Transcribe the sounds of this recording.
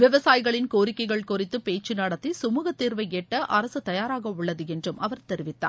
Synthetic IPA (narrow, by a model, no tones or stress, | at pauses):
ʋɪʋɐsaːjɣɐɭɪnkoːɾɪkːɐɪɣɐɭkʊrɪt̪ːɯpeːt͡ʃːɯnɐɽɐt̪ːisʊmuːɣɐt̪ːiːɾʋɐɪɛʈːɐʔɐɾɐsɯt̪ɐjaːɾaːɣɐʊɭːɐðɯɛndrɯmʔɐʋɐɾt̪ɛɾɪʋɪt̪ːa̰ː